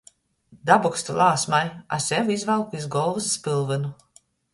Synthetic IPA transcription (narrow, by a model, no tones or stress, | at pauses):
d̪abɔkst̪ulˠaːsmaja̰sʲɛvizvalˠkizɡɔlˠvɨsːpɨlˠvɨnu